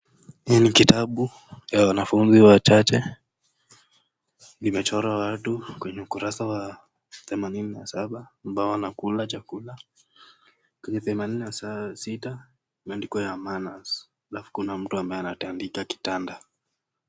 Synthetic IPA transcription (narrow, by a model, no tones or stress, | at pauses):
hiɛnikitaɓu | jawanafunziwat͡ʃat͡ʃɛ | nimɛt͡ʃɔɾawatukwɛɲɛukuɾasawa | θɛmanininasaɓaːmbaɔanakulat͡ʃakula | kwɛɲɛθɛmanininassita | mandikɔjamanas | alafu̥kunam̩tuambaɛanatandikaki̥tanda